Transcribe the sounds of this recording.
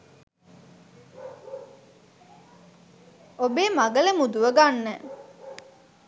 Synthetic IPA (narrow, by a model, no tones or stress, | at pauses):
obeːmaɡələmud̪uʋəɡanːə